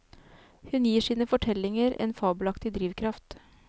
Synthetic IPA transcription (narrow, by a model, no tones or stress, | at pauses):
hʉnjiːʂiːnəfɔʈʰɛlɪŋəɾḛːnfɑːbʉlɑkt̪ɪd̪ɾiːʋkʰɾɑft̪